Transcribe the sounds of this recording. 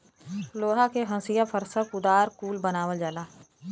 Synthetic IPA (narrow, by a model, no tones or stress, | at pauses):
loːɦakeɦɐ̃sijapʰəɾsəkʊd̪aːɾkuːlbənaːʋəld͡ʒaːlaː